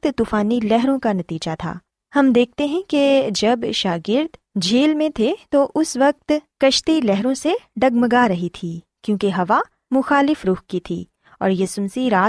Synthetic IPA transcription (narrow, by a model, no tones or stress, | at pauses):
t̪t̪uːfaːnilɛɦɾõkanɐt̪iːd͡ʒat̪ʰa̰ː | hɐmd̪eːk̚ʰt̪eɦɛ̃ked͡ʒɐbʃaːɡɪɾd̪d͡ʒʱeːlmẽt̪ʰet̪oʔʊsʋɐk̚t̪kɐʃt̪ilɛɦɾõseɖɐɡməɡaɾɐɦit̪ʰiː | kjõːkeɦɐʋa | mʊxaːlɪfɾʊxkit̪ʰḭː | ɔ̰ːɾjɐsʊmsiɾaː